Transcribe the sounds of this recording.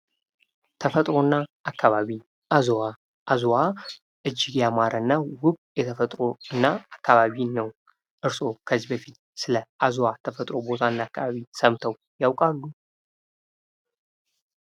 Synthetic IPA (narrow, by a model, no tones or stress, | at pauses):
t̪ʰəfət̪ʼɾo̞nːaʔakʰːaβaβi | ʔazowa | ʔazowa | ʔɨd͡ʒːɪɡjamaɾʔəɨnːawʊkjɛt̪ʰəfət̪ʼɾo̞ɨnːaakʰːaβaβinəw | ʔɨɾso̞kʰəzibəfit̪̚ | sɨləʔazwat̪ʰəfət̪ʼɾo̞bo̞t̪ʰaɨnːaakːaβaβisəmt̪ʰəw | jawkʼalːu